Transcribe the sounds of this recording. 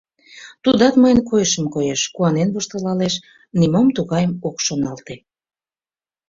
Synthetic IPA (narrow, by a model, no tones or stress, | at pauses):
t̪ud̪ɑt̪məjənkojəʃəmkojeʃkuɑnenβoʃt̪əlɑleʃ | nimomt̪uɣɑjəmokʃonɑlt̪e